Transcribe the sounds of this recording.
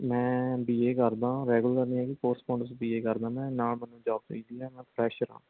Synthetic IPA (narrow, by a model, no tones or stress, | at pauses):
mɛ̃ːbiːeːkəɾd̪ãːɾɛːɡʊləɾniːɦɛːkɪkoːɾsmãːɳɖəɾsbiːeːkəɾd̪ãːmɛ̃ːnaːɭmɛ̃ːnũːd͡ʒaːb̚t̪iːd̪iːɦɛːmɛ̃ːpʰɾɛːʃəɾã̰ː